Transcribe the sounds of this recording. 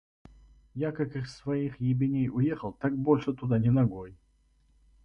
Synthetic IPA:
jakakɨxsvɐixjɪbʲɪnʲejʊjexəlˠt̪ak̚bolʲʂɨt̪ʊd̪anʲɪnɐɡoj

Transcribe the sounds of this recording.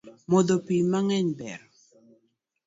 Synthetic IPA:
mɔd̪ɔpimaŋɛɲbɛ̰ɾɔ

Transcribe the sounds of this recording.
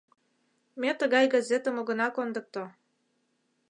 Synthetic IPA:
met̪ə̆ɣɑjɡɑzet̪ə̆moɣɤ̆nɑkond̪ɤ̆k̚t̪o

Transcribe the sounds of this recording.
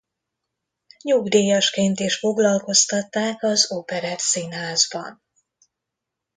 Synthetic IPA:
ɲuɡd̪eːjɒʃkeːnt̪iʃfo̞ɡlɒlko̞st̪ɒt̪ːaːkɒzopɛɾɛt̪sinɦaːzbɒ̰n

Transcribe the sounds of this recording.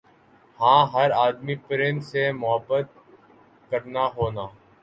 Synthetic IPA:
hãːɦəɾaːd̪miːpɾɪ̃ɳʈsemʊɦəbːət̪̚ | kəɾnaːɦoːnaː

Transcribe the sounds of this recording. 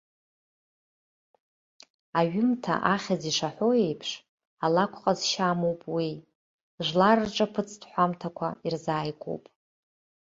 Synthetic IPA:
aɥɪmtʰa̰ʔaχʲaziʂaħʷo̞e̞jpʰʂ | alakʷʰχʼazʃamowpʼwi | ʒʷlarɨʈ͡ʂʼapʰɨt͡sʰtʰʼħʷamtʰakʷʰa̰irzaːjkʷʰʼo̰wpʼ

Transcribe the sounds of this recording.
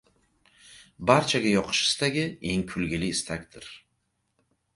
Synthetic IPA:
baɾt͡ʃʰaɡʲajɒqʰɨ̥ʃɪ̥st̪aɡʲɪe̞ŋkʰʊlɡʲɪlɪːst̪ʰakʲd̪ɪɾ

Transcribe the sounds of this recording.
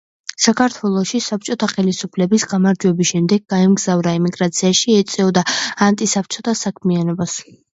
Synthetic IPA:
sakʰaɾt̪ʰwɛlˠɔʃisap̚t͡ʃʼɔt̪ʰaχɛlisupʰlɛbisɡamaɾd͡ʒwɛbisʃɛmd̪ɛɡ̚ɡaɛmɡzavɾaɛmiɡɾat̪sʰiaʃiɛt̪sʼɛɔd̪aant̪ʼisap̚ʰt͡ʃʼɔt̪ʰasakʰmianɔbas

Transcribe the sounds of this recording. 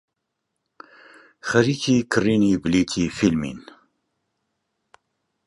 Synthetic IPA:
xɐɾiːkʰiːkʰɨriːniːbliːt̪ʰiːfilmḭn

